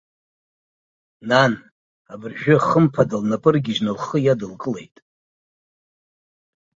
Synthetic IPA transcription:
nan | abɨrʒᶣʊχəmpʰadalnapʼɨrɡʲiʒnɨlχəjadɨlkʼɨle̞̰jtʼ

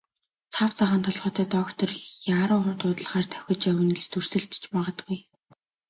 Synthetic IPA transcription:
t͡sʰawt͡sʰaʁə̆nt̪ʰɔɮʁɔːt̪ʰæːt̪ɔkt̪ʰɞrjaːɾʊːχʊnt̪ʊːt̪ə̆ɮʁaːrt̪ʰœ̥xʲɞ̆t͡ɕjæwɘ̆nɡet͡ɕt̪ʰur̥sɘ̆ɮt̪̆t͡ɕpaʁə̆t̪ɡuj

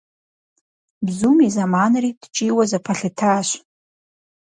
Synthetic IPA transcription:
bzumizamanrid̥t͡ʃʼiwazapʰaɬɨtʰaʃʷ

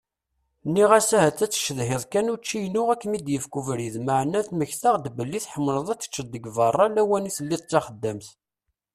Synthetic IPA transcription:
nːiʁæsæhæt͡s̪ːæt͡sːʃəðɦɪðˤkænut͡ʃːijnʊʁækːmid̪jəfkuvɾiðməʕnːæθməçθaʁd̪bəlːiθħəmːləðˤæt͡sːə̥t͡ʃːəd̪ːəɡvɑrˤːɑlæwæniθəlːit̪ˤt͡sːɑχəd̪ːæmθ

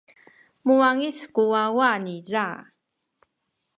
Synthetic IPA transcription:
muaŋiskuwawaniza

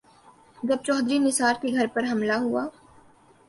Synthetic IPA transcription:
d͡ʒɐb̚t͡ʃɔːd̪ɾinɪsaːɾkeɡʱɐɾpɐɾɦɐmlaɦuaː

